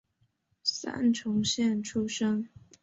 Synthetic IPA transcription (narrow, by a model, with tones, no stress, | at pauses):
sa̰˥nʈ͡ʂʰʊ˧˥ŋɕjɛ˥˩nʈ͡ʂʰu˥ʂɤ˥ŋ